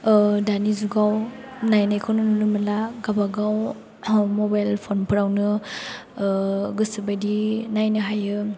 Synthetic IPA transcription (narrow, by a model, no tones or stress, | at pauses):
danizuɡaw | najnajkʰawnɯnunɯmɯlaɡabaɡaw | mɔbajlpʰonpʰɯɾawnɯ | ɡɯsɯbajdinajnɯɦajɯ